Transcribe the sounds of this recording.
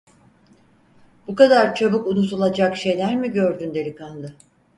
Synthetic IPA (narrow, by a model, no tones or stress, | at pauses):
b̥ukad̪aɾt͡ʃʰobukunut̪ʰulˠad͡ʒakʃe̞jlʲæɾmiɟø̞ɾd̪ynd̪e̞lʲikʰand̪ɯ